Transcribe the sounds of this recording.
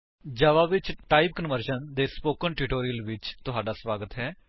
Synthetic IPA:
d͡ʒaːʋaːʋɪt͡ʃʈaːip̚kənʋəɾʃənd̪eːspoːkənʈɪʈoːɾijəlʋɪt͡ʃt̪ʊɦaːɖaːsʋaːɡət̪ɦɛː

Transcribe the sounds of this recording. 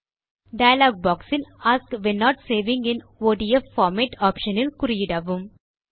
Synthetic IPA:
ɖaɪəlɔːɡ̚bɔːksɪ̃naːskʋẽnːɔːʈseːʋɪ̃ŋɡẽn | ʋoːɖiefːɔːɾmeʈʰɔːpʃənəlkʊɾijiɖaʋũm

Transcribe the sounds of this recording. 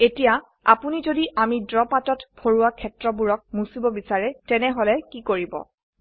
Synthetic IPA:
etija | a̰punizodiʔamidɹɔpatɔtpʰoɹuwakʰːɛtɹɔbuɹɔk̚musibɔbisaɹɛtɛnɛɦolɛkikoɹibɔ̰

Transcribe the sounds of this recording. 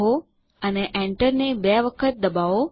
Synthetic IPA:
ɦo | əneʔɛ̃ɳʈəɾnebɛʋəkʰət̪̚d̪əbaʋo

